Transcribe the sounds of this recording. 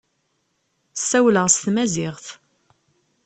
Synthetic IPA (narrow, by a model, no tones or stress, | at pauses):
sːæwləʁst̪mæzɪʁθ